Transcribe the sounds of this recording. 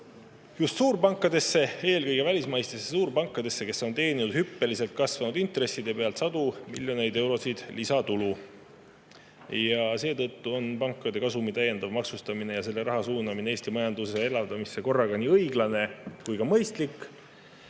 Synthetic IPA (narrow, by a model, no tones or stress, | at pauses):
just̪suːɾpɑŋkːˑɑd̪e̞sːe̞e̞ːlkɤjɡ̥e̞vælʲismɑjst̪esesuːɾpɑŋkːˑɑd̪e̞sːe̞ke̞sːo̞nt̪e̞ːninud̪̥hypːe̞lise̞lt̪̚kɑsvɑnud̪̥int̪re̞sːid̪̥e̞pe̞ɑlt̪sɑd̪̥umḭlʲjo̞ne̞jd̪ewɾo̞sid̪̥lisɑt̪ulu | jɑse̞ːt̪ɤt̪ːuo̞npɑŋkːˑɑd̪e̞kɑsumit̪æje̞nd̪̥ɑvmɑksust̪ɑmine̞jɑse̞lːe̞ɾɑɦɑsuːnɑmineeːst̪imɑjɑnd̪̥useelɑvd̪̥ɑmisːeko̞rːɑɡɑniːɤjɡ̥lɑne̞kujkɑmɤjst̪likː